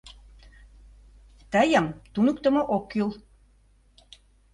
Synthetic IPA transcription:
t̪æjɑmt̪unukt̪ɤ̆mŏʔokːylˠ

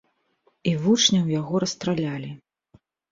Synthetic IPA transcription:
ivut͡ʂnʲɐwjaɣɔɾɐst̪ɾalʲalʲi

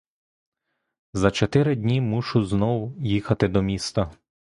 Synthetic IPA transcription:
zɐt͡ʃɔt̪ɪɾɪdʲnʲimuʃʊznɔwjixɐt̪ɪd̪ɔmʲist̪ɐ

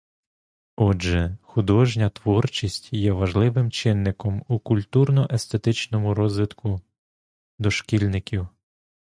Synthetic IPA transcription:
ɔʒɛxʊd̪ɔʒnʲɐt̪ʋɔrt͡ʃisʲtʲjɛʋɐʒlˠɪʋɪmt͡ʃɪnːɪkɔmukʊlʲt̪urnɔʔɛst̪e̞t̪ɪt͡ʃnɔmʊɾɔzʋʲɪt̪kʰʊ | d̪ɔʃkʲilʲnɪkʲiw

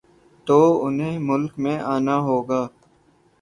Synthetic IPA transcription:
t̪oːʊnɦẽːmʊlkmẽːʔaːnaːɦoːɡaː

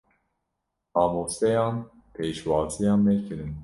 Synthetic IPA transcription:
ɑːmoːsɛjɑːn | pʰeːʃwɑːzijɑːnmɛkʰɨɾɨn

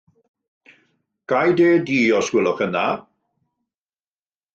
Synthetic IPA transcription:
ɡ̥ajdeːdiːɔswɪlˠɔχəna

